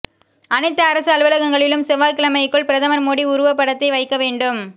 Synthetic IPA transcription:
ʔɐnɪt̪ːɐɐɾɐsɯɐlʋɐlɐɣɐŋɡɐɭɪlɯmsɛʋaːlkɪlɐmɐɪkːɯɭpɪɾɐðɐmɐɾmoːɽiʊɾʊʋɐpːɐɽɐt̪ːɐɪʋɐɪkːɐʋeːɳɖɯm

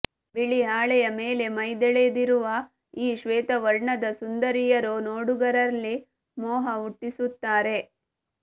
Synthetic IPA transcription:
biɭiɦaːɭɛjɐmeːle̞mɐjd̪ɛɭed̪iɾuʋɐ | iːʃʋeːt̪ɐʋɐɾɳɐd̪ɐsund̪ɐɾijɐɾonoːɽuɡɐɾɐlːi | mɔːɦɐuʈːisut̪ːaːɾe̞

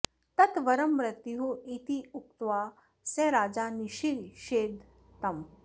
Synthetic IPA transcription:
t̪ɐt̪ʋɐɾəmɾɐt̪jɦoit̪iukt̪ʋa | sẽɾaːd͡zaːniʃiɾʃeːd̪ʱ | t̪ɐm

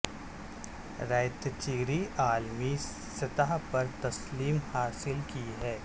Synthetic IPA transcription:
ɾaːjt̪t͡ʃiːɾiʔaːlmi | sɐt̪aɦpɐɾt̪ɐsliːmhaːsɪlkiɦɛː

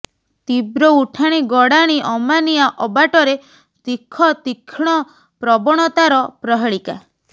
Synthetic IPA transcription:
t̪ibɾɔuʈʰaɽ̃iɡɔɽaɽ̃iʔɔmaniaʔɔbaʈɔɾe | t̪ikʰɔt̪ikʰɽ̃ɔ | pɾɔbɔɽ̃ɔt̪aɾɔpɾɔɦeɭika

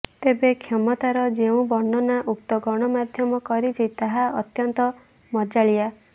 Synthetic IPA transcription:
t̪ebekʰjɔmɔt̪aɾɔd͡ʒeũbɔɳɖɔnaʔukt̪ɔɡɔɽ̃ɔmad̪ʱjɔmɔkɔɾit͡ʃʰit̪aɦaɔt̪jɔnt̪ɔ | mɔd͡ʒaɭia

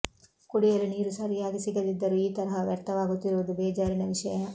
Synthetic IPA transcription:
kuɽijɐluniːɾusɐɾijaːɡisiɡɐlid̪ːɐɾuiːt̪ɐɾɐɦɐʋjɐɾt̪ɐʋaːɡut̪ːiɾuʋɐd̪ubeːd͡ʒaːɾinɐʋiʂɐjɐ

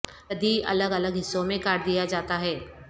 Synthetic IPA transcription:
ɐd̪ʱiɐ̰ləɡɐləɡɦɪsːõmẽkaːɾd̪ijad͡ʒaːt̪aɦɛː

